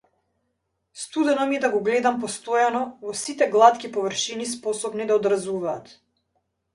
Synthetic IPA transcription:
st̪ud̪ɛnɔmɛd̪aɡɔɡlɛd̪ampɔst̪ɔjanɔvɔsit̪ɛɡlˠat̪kʲipɔvərʃinispɔsɔbnid̪aɔd̪ɾazuvaːt̪

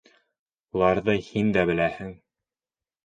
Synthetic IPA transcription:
ulˠɑɾðɤhind̪æbɘ̆læhɘŋ

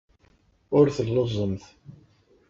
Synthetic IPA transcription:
ʊɾθəlːozˤəmθ

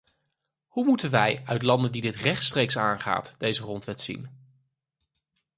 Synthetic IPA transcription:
humutənʋɛjœɥtlɑndəndidɪtrɛχtstrejksa̰ːnχa̰ːtd̥ejzərɔntʋɛtsḭn

